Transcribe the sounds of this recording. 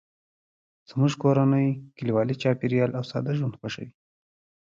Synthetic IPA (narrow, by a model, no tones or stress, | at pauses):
z̥muʒkoɾanəjkɪliwɑlit͡ʃɑpiɾjɑlʔawsɑd̪aʒwand̪xwaʂa̰wi